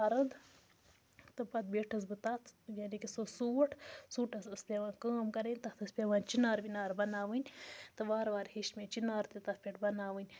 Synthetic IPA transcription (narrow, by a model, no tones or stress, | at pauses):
ɐɾɐd̪ | t̪ɨpɐt̪̚beːʈʰɐs̬bɨt̪at̪jaːnikisosuːʈʰsuːʈʰɐsɐsleʋãːkəːmkɐɾenʲt̪ɐt̪ʰɐsʲpʲeʋãːnt͡ʃinaːɾbinaːɾbɐnaːʋɨnʲt̪ɨʋaːɾʋaːɾhiʃmet͡ʃinaːɾt̪et̪ɐpʲeʈbɐnaːʋɨnʲ